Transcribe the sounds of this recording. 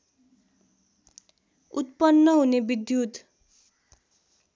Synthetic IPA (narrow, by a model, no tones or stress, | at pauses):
ut̪pʌnːʌɦunebid̪jud̪